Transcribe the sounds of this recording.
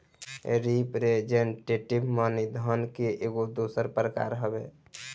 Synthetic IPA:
ɾipɾed͡ʒeɳʈeʈibmənid̪ʱənkeʔeɡod̪osəɾpɾəka̰ɾɦəbe

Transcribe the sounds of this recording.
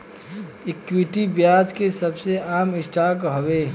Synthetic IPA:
ɪkwɪʈibjaːd͡ʒkesɐbseaːmɪsʈaːkɦoweː

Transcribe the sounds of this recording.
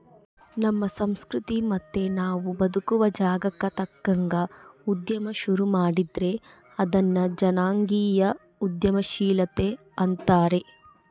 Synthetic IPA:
nɐmːɐsɐmskɾut̪imɐt̪ːe̞naːʋubɐd̪ukuʋɐd͡ʒaːɡɐkːɐt̪ɐkːɐŋɡɐud̪jɐmɐʃuɾumaːɽid̪ɾe̞ | ɐd̪ɐnːɐd͡ʒɐnaːŋɡiːjɐ | ud̪jɐmɐʃiːlɐt̪e̞ | ɐnt̪aːɾe̞

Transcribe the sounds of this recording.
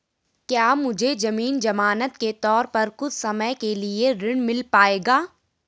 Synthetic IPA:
kjaːmʊd͡ʒʱed͡ʒɐmiːnd͡ʒɐmaːnət̪ket̪ɔːɾpɐɾkʊt͡ʃʰsɐməjkelieɾɪɽ̃mɪlpaːeːɡaː

